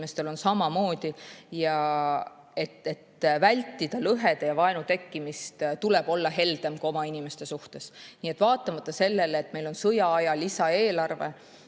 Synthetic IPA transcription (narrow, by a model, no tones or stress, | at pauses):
me̞st̪e̞lo̞nsɑmɑmo̞ːd̪̥ʲijɑ | e̞t̪et̪ːvælʲt̪ːˑid̪̥ɑlɤɦe̞d̪̥ejɑvɑe̞nut̪e̞kːimist̪t̪ule̞b̥o̞lːɑɦe̞ld̪e̞mko̞mɑinime̞st̪e̞suht̪e̞sniːet̪ːvɑːt̪ːˑɑmɑt̪ˑːɑse̞lːe̞leːt̪ːme̞jlo̞nsɤjɑɑjɑlisɑe̞ːlɑrve̞̰